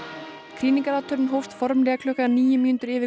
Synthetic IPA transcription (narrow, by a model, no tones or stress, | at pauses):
kʰɾiːniŋkaɾat̪ʰœɾnɦowft̪fɔɾmlɛːɣakʰlœhkaaniːjʏmiːnt̪ʏɾɪːvɪ